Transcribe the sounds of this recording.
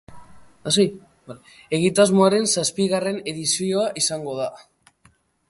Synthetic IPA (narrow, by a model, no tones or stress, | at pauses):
asi | al | e̞ɣ̞it̪azmoaɾe̞nsaspiɣare̞ne̞ðisioaʔisaŋɡo̞ð̞a